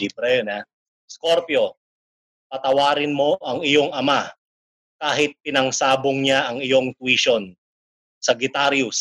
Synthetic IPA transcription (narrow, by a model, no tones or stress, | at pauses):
iːbɾɛjona | skoɾpjo̞ | pɐt̪ɐwaːɾɪnmo̞ʔɐŋɪjo̞ŋɐma | kaːɦɪt̪̚pɪnɐŋsaːboŋɲaʔɐŋɪjo̞ŋt̪wiʃon | sɐɡɪt̪aɾjʊs